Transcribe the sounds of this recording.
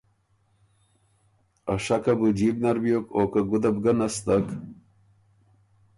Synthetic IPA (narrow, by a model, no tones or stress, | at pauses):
aʂakabɨd͡ʑibnɐɾbijokoːkaɡud̪abɡanast̪ak